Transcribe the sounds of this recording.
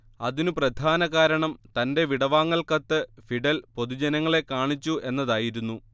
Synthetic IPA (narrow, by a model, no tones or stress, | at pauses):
ɐðinuprɐd̪ʱaːnɐɣaːɾɐɳɐmt̪ɐnde̞ʋiɽɐʋaːŋːɐɭkɐt̪ːɨfiɖɐlpo̞ðud͡ʑɐnɐŋːɐɭe̞kaːɳit͡ɕːue̞nːɐðaːjiɾunːu